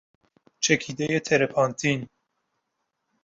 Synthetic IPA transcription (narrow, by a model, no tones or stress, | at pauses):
t͡ʃʰɛkʰid̪ejet̪ʰɛɾɛpʰɑnt̪ʰin